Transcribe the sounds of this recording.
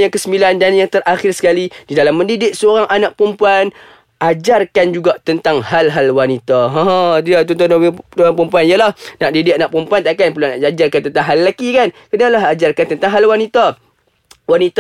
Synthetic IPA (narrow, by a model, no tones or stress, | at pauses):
aŋkəsəmbilandanjaŋt̪əɾʔaxɪrsə̥kalididalamːəndidɪk̚səoɾaŋʔanaʔ̚pɾəmpuan | ʔad͡ʒarkand͡ʒuɡat̪ənt̪aŋhalɦalwanit̪aɦãɦdiat̪ɔnt̪ɔndoaŋpɾəmpuanijəlahnaʔdidɪʔanaʔpɾəmpuant̪aʔkanpəlanaʔad͡ʒarkant̪ənt̪aŋɦalːakikankənalaɦad͡ʒarkant̪ənt̪aŋɦalwanit̪a | wanit̪